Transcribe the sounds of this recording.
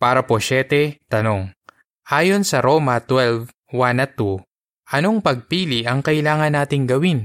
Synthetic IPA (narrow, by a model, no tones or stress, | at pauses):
paːɾɐpoʃɛt̪ɛt̪ɐno̞ŋ | ʔaːjo̞nsɐɾoːmɐt̪wɛlv | wanɐt̪u | ʔɐno̞ŋpɐɡ̚piːlɪʔɐŋkɐʔɪlaːŋɐnːaːt̪ɪŋɡɐwin